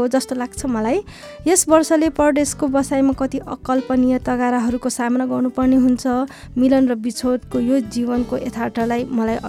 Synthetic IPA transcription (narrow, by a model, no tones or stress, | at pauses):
od͡zʌst̪olaɡ̚t͡sʰʌmʌlaj | esbʌrsʌlepʌd̪eskobʌsajmakʌt̪iʔʌkːʌlpʌnijʌt̪ʌɡaɾaɦʌɾukosamʌnaɡʌrnupʌrneɦunt͡sʰʌ | milʌnrʌbit͡sʰod̪kojod͡zibʌnkoʔet̪ʰarʈʌrlajmʌlajʌ